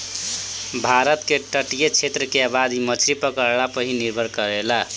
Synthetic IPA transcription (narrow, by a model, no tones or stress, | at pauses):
bʱaɾət̪keʈəʈijet͡ʃʰet̪ɾəkeabad̪imʌt͡ʃʰɾipəkəɾɭapəɦiniɾbʱəɾkʌɾela